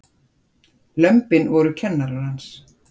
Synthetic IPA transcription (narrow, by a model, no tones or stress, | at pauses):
lœmpɪnvɔɾʏcʰɛnːaɾaɾhans